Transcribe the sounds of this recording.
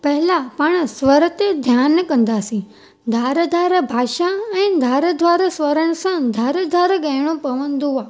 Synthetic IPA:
pɐɦɪlapɐɽ̃sʋəɾət̪ed̪ʱjaːnkɐ̃nd̪aːsĩ | d̪ʱaːɾəd̪ʱaːɾəbʱaːʃaɛ̃ːd̪ʱaːɾəd̪ʱʋaːɾəsʋəɾəɽ̃əsãd̪ʱaːɾəd̪ʱaːɾɡəːɽ̃õpɐʋə̃nd̪uaː

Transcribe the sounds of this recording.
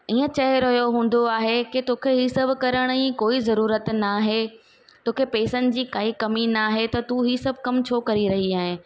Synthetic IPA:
iːə̃t͡ɕɐɦeɾɐɦjoɦũːn̆d̪oaːɦekɪt̪oːkʰeɦiːsɐbʱkɐɾəɽ̃ĩkoːizɐɾuːɾət̪naːɦe | t̪oːkʰepeːsənɪ̆d͡ʑiːkaːikɐminaːɦet̪ɐt̪uɦiːsɐbʱkɐmt͡ɕʰoːkɐɾiɾɐɦiaːɦɪ̃

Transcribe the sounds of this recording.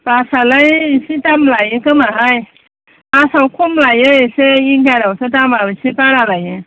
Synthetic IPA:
pasalajsitamlajẽkəmaʔaj | asawkʰumlajejseiŋɡaɾawsetamabisipaɾalajẽ

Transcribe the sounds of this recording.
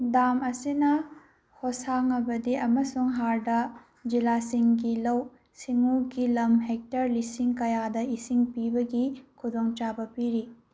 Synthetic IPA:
damɐsinɐ | hosaŋɐbɐdiɐmɐsuŋɦaɾdɐ | d͡ʒilasiŋɡilɐw | siŋuɡilɐmɦek̚tɐɾlisiŋkɐjadɐisiŋpibɐɡikʰudoŋt͡ʃabɐpiɾi

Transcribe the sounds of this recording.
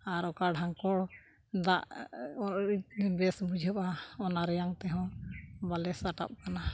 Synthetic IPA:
aɾɔkaɖʱaŋkɔɽ | d̪aʔɔibɛsbud͡ʒʱəpaɔnaɾɛjaŋt̪ɛɦɔ̃balɛsaʈa̰p̚kana

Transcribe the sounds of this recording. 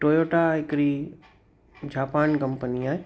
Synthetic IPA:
ʈoːjoːʈaɪkɾi | d͡ʑaːpaːnkɐmpəniaːɦe

